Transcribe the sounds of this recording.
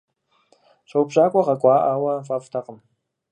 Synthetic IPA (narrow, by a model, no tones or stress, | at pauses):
ɕʷɐwbɕʼaːkʷʼɔʁɐkʷʼɑːʔawɐfʼafʼtʰaqʼəm